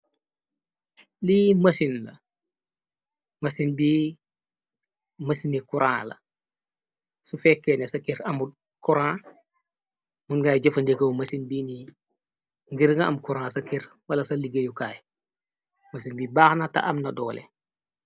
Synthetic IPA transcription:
limɐsinlɐ | mɐsinbi | mɐsinikuɾã̰ːlɐ̰ | sufɛkːenesɐkiɾɐmu | kuɾãː | munɡajɟɐfɐndekɐwmɐsinbini | ŋɡiɾŋɐɐmkuɾãːsɐkiɾ | wɐlɐsɐliɡɐjukaːj | mɐsinbibaːxnata̰ʔɐmnɐdɔːlḛ

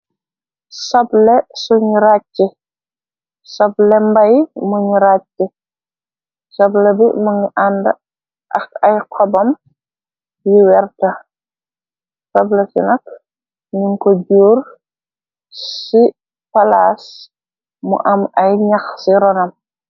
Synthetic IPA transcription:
sɐblɛsuɲiɾat͡ʃːɛ | sɐblɛmbɐjmuɲiɾat͡ʃːɛ | sɐblɛbimuŋiʔandɐ | ʔɐxɐjkʰɔbɐm | biwɛrtɐ | sɐblɛsḭnɐk̚ | niŋkɔɟuːr | si | palaːs | mṵʔɐmɐjɲɐxsiɾɔnɐm

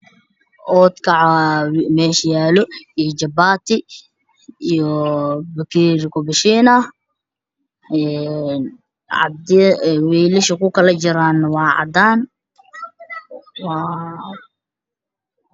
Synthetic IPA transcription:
ʔɔːd̪kʰɐʕ | mɛːʃjaːlɔijɔd͡ʒɐbaːt̪ʰɪ | ijɔbɐkʰiɾɪkʰʊbɪʃiːnɐ | ɛn | ʕɑ̰d̪wɛːlɪʃɐkʰʊkʰɐlɐt͡ʃɪɾaːnɐwɑːʕɑ̰d̪aːn | wɑ

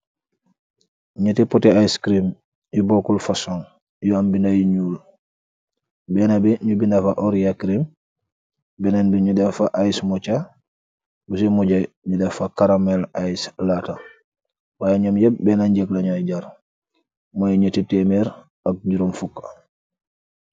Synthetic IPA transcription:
ɲətɛpɔtɛajskɾim | jibɔkulfasɔŋ | jɔambinajiɲuːl | bɛnabɛɲubinafaʔɔɾjakɾim | bɛnanbɛɲudɛfaʔajsmɔt͡ʃa | busimɔɟaj | ɲudɛfakaɾamɛlajslata | wajaɲɔmjɛbɛnaɲd͡ʒɛklaɲɔjɟaɾ | mɔjɲətitɛmɛɾ | ak̚iɾɔmfukːa

